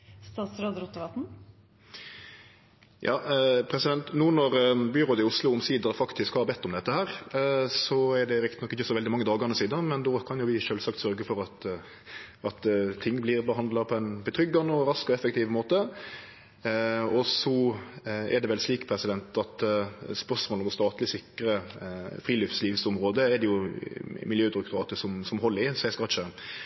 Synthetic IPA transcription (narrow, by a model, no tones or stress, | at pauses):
st̪ɑːt̪sɾøːd̪ɾɔt̪ːəʋɑt̪n̩ | jʔɑːpʰɾɛsɪd̪ɛnt̪nuːnɔɾbyɾoːd̪ɪʊslʊʊmsiːd̪ɑfɑkt̪ʰɪskhɑɾbɛt̪ːɔmd̪ɛt̪ːəhæːɾsɔɛɖɛɾɪkt̪ɪ̥nɔkːɪçːəsɔʋɛld̪ɪmɑŋːəd̪ɑːɡɑnəsiːd̪əmɛnd̪okʰɑnjʊʋɪʃøːlsɑkt̪sœʁɡəfɔɾɑt̪ | ɑt̪t̪ʰɪŋːblɪɾbəɦɑnd̪lɑpʰɔɛnbət̪ʰɾʏɡːɑnəɔɾɑskɔɛfːək̚t̪ʰiːʋmoːt̪ə | ɔsɔ | ɛɖ̪ɛʋɛlsliːkpʰɾɛsɪd̪ɛnt̪ɑt̪spœʂmoːlɔmɔst̪ɑːt̪lɪsɪkːɾəfɾiːlʏfsliːʋsɔmɾoːd̪əɛd̪ɛjʊmɪljøːd̪ɪɾʉkt̪ʊʁɑːt̪əʂɔmsɔmhɔlːəɪsæɪskɑt͡ʃə